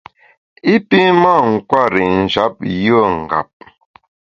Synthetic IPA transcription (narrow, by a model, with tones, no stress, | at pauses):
i˦pi˦ma˦˨ŋ̩˨kwa˦˨ɾi˨n̩˨d͡ʒa˨˦p̚jə˦˨ŋ̩˨ɡa̰˨p̚